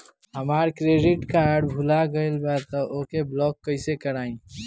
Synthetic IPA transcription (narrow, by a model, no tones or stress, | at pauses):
ɦəmaːɾkɾeːɖɪʈkaːɾɖbʱʊlaɡəelbat̪əʔoːkeblɔːkːəɪsekəɾaːĩ